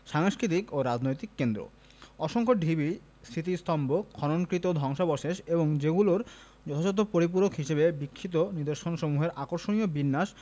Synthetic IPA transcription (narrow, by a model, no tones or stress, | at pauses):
ʃaŋskɾit̪̬ikoɾad͡ʑnojt̪ikːend̪ɾo̰ | ɔʃoŋkʰoɖʱibi | st̪ʰit̪ist̪ʰɔmbokʰɔnonkɾit̪od̪ʱɔŋʃabɔʃeʃeboŋd͡ʑeɡuloɾ | d͡ʑɔt̪ʰad͡ʑɔt̪̬ːopoɾip̬uɾokɦiʃebebikʰːit̪̬oniɾd̪oɾʃonʃomuɦeɾʔakoɾʃoniobinːaʃ